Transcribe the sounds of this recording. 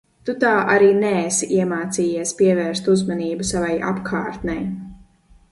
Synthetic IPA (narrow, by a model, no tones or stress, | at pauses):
t̪ut̪aːʔaɾiːnɛːsiʔiɛmaːt̪siːjiɛspiɛvɛːɾst̪uzmaniːbusavajʔa̰pkʰaːɾt̪nʲɛj